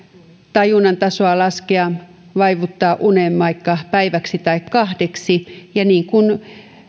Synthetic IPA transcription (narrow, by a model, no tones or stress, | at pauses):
t̪ɑjunɑnt̪ɑsoɑlɑskeɑ | ʋɑiʋut̪ːɑːʔunemːɑikːɑpæiʋæksit̪ɑikkɑhdeksijɑniːŋkun